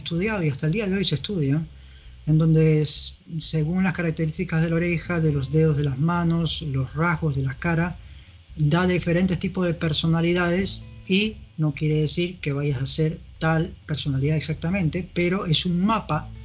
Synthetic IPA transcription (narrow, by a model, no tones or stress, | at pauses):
st̪uð̞jaðoiast̪aeld̪iaðeo̞jse̞st̪uðjaŋ | end̪o̞nd̪es | se̞ɣuŋlaskaɾak̚t̪e̞ɾist̪ikazð̞e̞lao̞ɾexaðe̞lo̞zðeð̞o̞zðe̞lazmano̞slo̞sraɣo̞zðe̞lakaɾa | d̪aðife̞ɾe̞nt̪e̞st̪ipozðepeɾso̞naliðað̞e̞sino̞kjeɾeðesiɾke̞β̞aʝasase̞ɾt̪alpe̞ɾso̞naliðaeksak̚t̪amẽnt̪e̞pe̞ɾo̞esuŋmapa